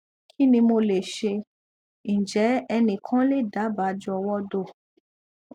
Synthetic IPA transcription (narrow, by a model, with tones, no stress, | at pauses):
kʰi˦nĩ˧mo˧le˨ʃe˧ | ñ̩˨d͡ʒɛ˨˦ɛ˧nĩ˧˨kʰã˦le˦˨da˨˦ba˨˦˨d͡ʒɔ˧wɔ˦do˦˨